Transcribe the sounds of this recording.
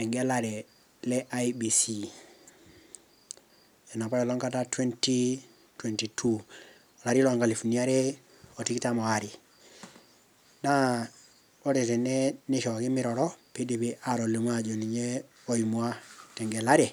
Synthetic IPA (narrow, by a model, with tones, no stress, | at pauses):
ɛ˨ŋɡela˦ɾe˨ | lɛ˦ʔaibi˨si | e˨na˨pa˦jɔ˨lɔ˦ŋka˦tatwe˦nti | twenti˨tʰu | o˨la˨ɾi˦lɔa˨ŋɡa˨li˨fu˨ni˦a˦ɾe˦ | oti˦kita˦mɔ˨aɾi˨ | na˦ | o˦te˨te˨neniʃɔ˨ki˦miɾɔɾɔpi˦di˨pi˦ʔa˨ɾo˨le˨m˦ad͡ʒo˨ni˨ɲe | o˦i˨mu˨a˦te˨ŋɡe˨la˦ɾe˨